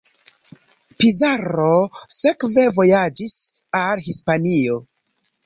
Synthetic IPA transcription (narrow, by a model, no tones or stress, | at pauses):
pizaɾo̞se̞kve̞vo̞jad͡ʒisalɦispanio̞